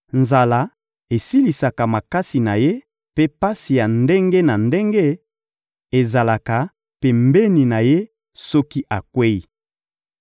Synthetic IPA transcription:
nza˨la˦ | e˨si˦li˨sa˨ka˨ma˨ka˦si˨na˨je˦ | pe˦pa˦si˨ja˨nde˦ŋɡe˦na˨nde˦ŋɡe˦ | e˨za˨la˨ka˨ | pe˨mbe˦ni˨na˨je˦ | sɔ˦ki˦ʔa˨kwe˦i˨

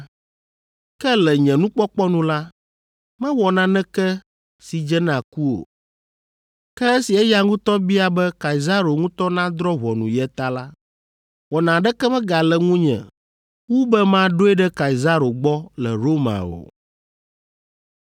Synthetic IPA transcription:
kɛ˦lɛ˨ɲɛ̃˨nũ˦k͡pɔ˦k͡pɔ˦nũ˦la˦ | mɛ̃˦wɔ˨nã˨nɛ̃˦kɛ˦ | si˨d͡ʒɛ˦nã˨ku˦o̰˨ | kɛ˦e˦si˨ɛ˦ja˨ŋũ˦t̪ɔ˦bi˦a˨bɛ˦ka˨i˨za˦ɾo˨ŋũ˦t̪ɔ˦nã˦d̪ɾɔ˦βɔ˨nũ˨jɛ˦t̪a˦la˦ | wɔ˨nã˨ɖɛ˦kɛ˦mɛ̃˦ɡa˨lɛ˨ŋũ˦ɲɛ̰̃˨ | wu˦bɛ˦mã˦ɖo˦ɛ˦ɖɛ˦ka˨i˨za˦ɾo˨ɡ͡bɔ˦lɛ˨ɾo˦mã̰˨o̰˨

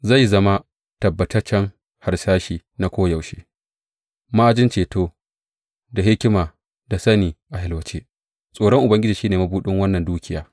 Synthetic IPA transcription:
za˦˨jzɐ˦ma˦ | tɐ˨bːɐ˨tɐ˦rt͡ʃɐ˦ŋ | ha˨ɾsaː˦ʃiː˨na˨kʷoː˦jɐ˨wʃeː˦ | maː˦ʔa˨d͡ʒɪ˦nt͡ʃeː˨toː˦ | da˨ɦɪ˦kʲɪ˦maː˨ | da˨sɐ˦niː˨ʔa˨ɦɪ˦lwɐ˦t͡ʃeː˦ | sʼoː˨ɽɔ˦ŋʔʊ˨bɐ˦ŋɡʲɪ˦d͡ʒiː˨ʃiː˦neː˨ma˦buː˦ɗɪ˦ŋwɐ˦nːɐ˨nduː˦kʲɪ˦jaː˨

